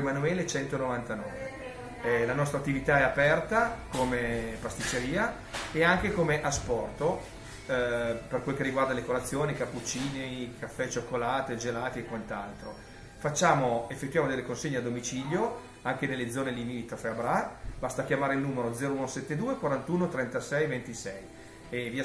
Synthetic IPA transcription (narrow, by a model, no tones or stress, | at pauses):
manuɛːlet͡ʃɛnt̪onovant̪anɔːve | lanɔst̪ɾat̪ːivit̪aɛapɛrt̪akomepast̪it͡ʃːeɾiːa | eaŋk̟ekomeʔaspɔrt̪o | perkwelokerːiɡward̪alekolat̪sːjoːnikapːut͡ʃːiːnekafːɛt͡ʃokːolaːt̪ed͡ʒelaːt̪eːkːwant̪alt̪ɾo | fat͡ʃːaːmoefːet̪ːwjaːmod̪elːekonseɲːead̪omit͡ʃiʎjo | aŋk̟ed̪elːed̪zɔːnelinit̪ɾofeabɾabast̪akjamaːɾeilnuːmeɾod̪zɛːɾouːnosɛt̪ːed̪uːekwaɾant̪uːnot̪ɾɛnt̪asɛjvent̪isɛj | evia